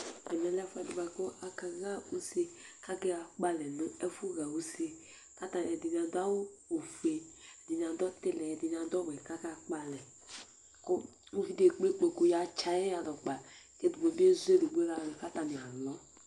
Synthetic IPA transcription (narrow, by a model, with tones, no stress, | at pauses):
ɛ˨nɛ˨lɛ˦fɛ˨du˨ba˨ko˦a˨ka˨ɣa˦u˦se˦ka˦kɛ˦ɣa˨k͡pa˦lɛ˨nʊ˦ɛ˦fu˦ɣa˨wu˦se˦ | ka˦ta˨n˨ɛ˨di˨n˨a˨da˦wu˦o˨fe˨ɛ˨di˨n˨a˨dɔ˦te˦lɛ˨di˨n˨a˨dɔ˦bɛ˨ka˦ka˨k͡pa˨lɛ˨ | ko˦ | mu˦fi˦de˨k͡pe˦k͡pe˨ku˦ja˨t͡ʃa˨jɛ˦ja˨dɔ˨k͡pa˨ke˦du˨o˨bi˦e˦zu˦e˦du˨ɡ͡be˦ɣa˨no˨ka˦ta˨ni˨a˨lɔ˦